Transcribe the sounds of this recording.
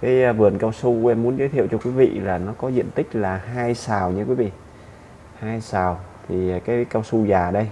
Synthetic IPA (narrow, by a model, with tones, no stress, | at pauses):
kaː˨˦jvɨ˨˩ənkaː˧wsu˧ʔɛ˧mːu˨˦ənzə˨˦t̪ʰḭ˧˨ə˨wt͡ɕɔ˧kwi˨˦vḭ˧˨laː˨˩nɔ˨˦kɔ˨˦zḭ˧˨ənt̪ï˦˥k̟̚laː˨˩ɦaː˧jsaː˨˩wɲɨ˧kwi˨˦vḭ˧˨ | haː˧jsaː˨˩wt̪ʰi˨˩˨kaː˨˦jkaː˧wsu˧zaː˨˩ɗə˧j